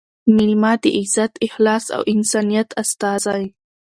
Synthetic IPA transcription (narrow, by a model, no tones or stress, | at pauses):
mɪlmɑd̪eʔɪzat̪ɪhlɑːsa̰wʔɪnsɑnijat̪ʰast̪ɑzaj